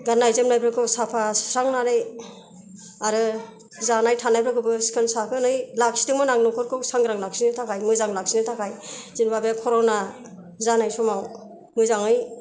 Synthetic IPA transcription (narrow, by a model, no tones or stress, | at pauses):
ɡanːajzɯmnajbʰɾɯkʰɯsapʰasɾaŋnanɯj | aɾɯ | zanajtʰanajpʰɾɯkʰɯbɯskʰɯnsakɯnɯjlak̚si̥tɯŋmɔnaŋnɔkʰɔɾkʰɯwsaŋɡɾaŋlak̚sinɯtʰakʰajmɯzaŋlaksinɯtʰakajzinbabekʰɔɾɔna | zanajsɔmaw | mɯjzaŋɯj